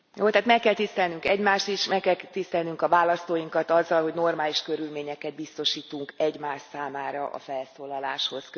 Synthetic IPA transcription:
joːt̪aːt̪mɛkːɛlt̪ist̪ɛlnyŋkɛɟmaːʃt̪iʃmɛkkːɛlt̪ist̪ɛlnyŋkɒvaːlɒst̪oːjiŋkɒt̪ɒzːɒlɦo̞ɟno̞rmaːliʃkøɾylmeːɲɛkɛd̪̚bist̪o̞ʃiːt̪uŋkɛɟmaːʃsaːmaːɾɒ̰ʔɒ̰fɛlsoːlɒlaːʃho̞sk

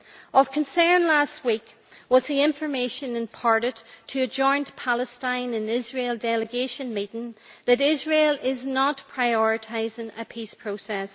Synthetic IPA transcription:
ʌv̥kʰə̃nsɜ̃˞nlast̚wik | wʌzðiɪ̃ɱfə˞meɪʃə̃nɨ̃npʰaɹɾɨdtʰəːd͡ʒɔ̃ɪ̃npʰalˠəstãɪ̃nɨ̃nɪzɹelˠdɛlˠəɡeʃə̃nmiʔn̩ðɨɾɪzɹelˠɪznətpʰɹ̥aɪɔɹɨtʰaɪzɪ̃ŋə̰pʰispʰɹ̥osɛs

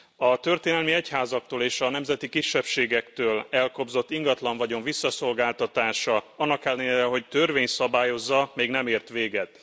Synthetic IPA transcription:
ɒt̪ø̞rt̪eːnɛlmiɛchaːzɒk̚t̪oːleːʃɒnɛmzɛt̪ikiʃːɛpʃeːɡɛkt̪øːlɛlko̞bzo̞t̪ːiŋɡɒt̪lɒɱvɒɟo̞ɱvisːɒso̞lɡaːlt̪ɒt̪aːʃɒɒnːɒkɛlːɛɲɛɾɛɦo̞ct̪ørveːɲt̪sɒbaːjo̞zːɒmeːɡnɛmeːrt̪ʋeːɡɛt̪

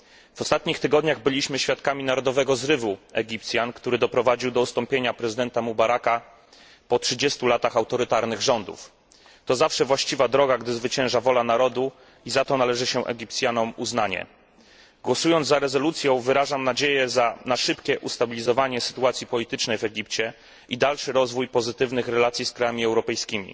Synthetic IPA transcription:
v̥ɔst̪at̪ɲixt̪ɘɡɔd̪ɲaɣbɘlʲiɕmɘɕfʲjat̪̚kamʲinaɾɔd̪ɔvɛɡɔzɾɘvuɛɡʲip̚t̪sʲjankt̪uɾɘd̪ɔpɾɔvad͡ʑiwd̪ɔust̪ɔmpʲjeɲapɾɛzɘd̪ɛnt̪amubaɾaka | pɔtʂɘd͡ʑɛst̪ulat̪axawt̪ɔɾɘt̪aɾnɘɣʐɔnd̪ṵf | t̪ɔzafʂɛvwaɕt͡ɕivad̪ɾɔɡaɡd̪ɘzvɘt͡ɕɛ̃w̃ʐavɔlanaɾɔd̪u | izat̪ɔnalɛʐɘɕɛʔɛ̰ɡʲip̚t̪sʲjanɔmuznaɲɛ̰ | ɡwɔsujɔnzaɾɛzɔlut̪sʲjɔ̃w̃vɘɾaʐamnad͡ʑejɛzanaʂɘpkʲɛʔust̪abʲilʲizɔvaɲɛsɘ̥t̪uat̪sʲjipɔlʲit̪ɘt͡ʂnɛjvɛɡʲipt͡ɕɛ | ʔid̪alʂɘɾɔzvujpɔzɘt̪ɘvnɘxɾɛlat̪sʲjiskɾajamʲiɛwɾɔpɛjskʲimʲḭ

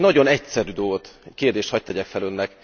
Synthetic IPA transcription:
nɒɟo̞nɛc̚sɛɾyːd̪olɡo̞t̪keːrd̪eːʃt̪hɒc̚t̪ɛɟɛkfɛlønːɛk

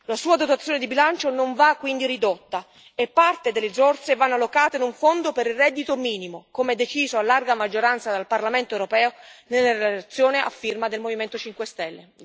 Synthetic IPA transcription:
lasuːad̪ot̪at̪sːjoːned̪ibilant͡ʃonoɱvakːwind̪irid̪ot̪ːa | ɛpːart̪ed̪elːezɔrt̪sevanːalːokaːt̪einuɱfond̪opeɾirːɛd̪ːit̪omiːnimokomeɛd̪ːet͡ʃiːzoalːarɡamad͡ʒːoɾant̪sad̪alparlament̪oɛwɾopɛːonelːaɾellat̪sːjoːnea̰fːirmad̪elmoviment̪ot͡ʃiŋkwest̪ɛlːe

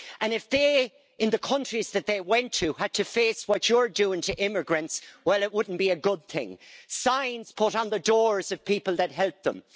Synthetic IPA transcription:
ʔə̃nɨfðeɪ | ɪ̃nðəkʰʌ̃nt͡ʃɹ̥izðɨt̪̚ðeɪwɛ̃ntʰɨəd̚tʰɨfeːswɒt͡ʃəə˞dʉɪ̃ŋtʰɨʔɪ̃məɡɹɨ̃ntswɛlˠɪt̚wʊdⁿn̩b̥iɨɡʊd̪̚θɪ̰̃ŋsãɪ̃nz̥pʰʊɾn̩ðədɔɹzʌv̥pʰipəl̩ˠðɨt̚ɦɛlˠp̚ðə̰̃m

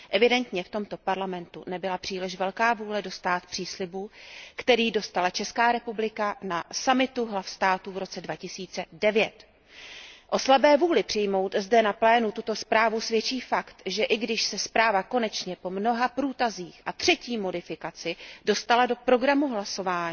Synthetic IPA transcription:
ʔɛvɪdɛnt̪ɲɛft̪o̞mt̪o̞paɾlamɛnt̪ṵnɛbɪlapr̝̥iːlɪʃvɛlkaːvuːlɛdo̞st̪aːt̪̚pr̝̥iːslɪbukt̪ɛɾiːdo̞st̪alat͡ʃɛskaːɾɛpublɪkanasamɪt̪uɦlafst̪aːt̪uvɾo̞t͡sɛdvacɪsiːt͡sɛdɛvjɛt̪ | ʔo̞slabɛːvuːlɪpr̥ɪjmo̞wt̪zdɛnaplɛːnut̪ut̪o̞spɾaːvusvjɛt͡ʃiːfakt̪ʒɛʔɪɡdɪʃsɛspɾaːvako̞nɛt͡ʃɲɛpo̞mno̞ɦapɾuːt̪aziːxʔat̪r̝̥ɛciːmo̞dɪfɪkat͡sɪdo̞st̪alado̞pɾo̞ɡɾamuɦlaso̞vaːɲ

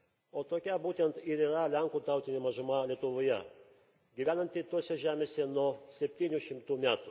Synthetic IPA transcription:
oːt̪oːkʲɛbuːt̪ʲɛnt̪ɪɾiːɾɐlʲæŋkuːt̪ɑˑʊt̪ʲɪnʲɪmɐʒʊmɐlʲiɛt̪ʊʋoːjɛ̰ | ɡʲiʋʲæːnɐnʲt̪ʲɪt̪uɔsʲɛʒʲæːmʲeːsʲɛnuɔsʲɛpʲt̪ʲiːnʲuʃʲɪmt̪uːmʲæːt̪u

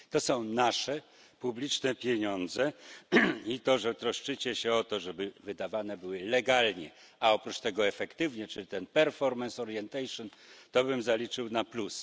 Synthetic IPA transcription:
t̪ɔsɔ̃w̃naʂɛ | publʲit͡ʂnɛpʲjeɲɔnd̪zɛ | it̪ɔʐɛt̪ɾɔʂt͡ʂɘt͡ɕɛɕɛɔt̪ɔʐɛbɘvɘd̪avanɛbɘwɘlɛɡalɲɛ | aɔpɾut͡ʂt̪ɛɡɔɛfɛkt̪ɘvɲɛt͡ʂɘlʲit̪ɛnpɛɾfɔɾmɛnsɔɾjɛnt̪ɛjʂɔnt̪ɔbɘmzalʲit͡ʂɘwnaplus

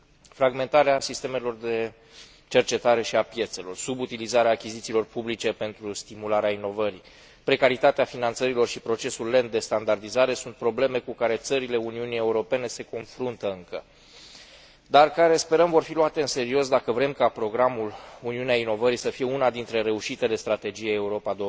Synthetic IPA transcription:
fɾaɡme̞nt̪aɾeasist̪e̞me̞lo̞rd̪e̞ | t͡ʃe̞rt͡ʃe̞t̪aɾe̞ʃiapje̞t̪se̞lo̞rsubut̪ilizaɾeaːkʲizit̪siːlo̞rpublitt͡ʃe̞pe̞nt̪ɾust̪imulaɾeaino̞vəɾi | pɾe̞kaɾit̪at̪eafinant̪səɾilo̞rʃipɾo̞t͡ʃe̞sulːe̞nt̪̚d̪e̞st̪and̪ard̪izaɾe̞sunt̪̚pɾo̞ble̞me̞kukaɾe̞t̪səɾile̞uniunije̞uɾo̞pe̞ne̞se̞ko̞nfɾunt̪əɨŋkə̰ | d̪arkaɾe̞spe̞ɾəmvo̞rfiluat̪e̞ɨnse̞ɾio̞sd̪akəvɾe̞mkapɾo̞ɡɾamuluniuneaino̞vəɾisəfije̞unad̪int̪ɾe̞ɾe̞uʃit̪e̞le̞st̪ɾat̪e̞d͡ʒijeeuɾo̞pad̪o

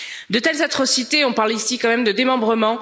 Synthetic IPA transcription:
d̪ət̪ɛlzat̪χɔsit̪eɔ̃paʁlisikɑ̃mɛmd̪əd̪emɑ̃bʁəmɑ̃

